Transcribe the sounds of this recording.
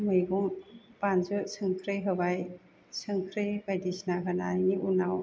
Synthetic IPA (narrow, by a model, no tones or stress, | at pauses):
mɯjɡɔŋpanzɯsʰɯŋkʰɾɯjɦɯbaj | sʰɯŋkʰɾebajdisnaɦɯnaŋiʔunaw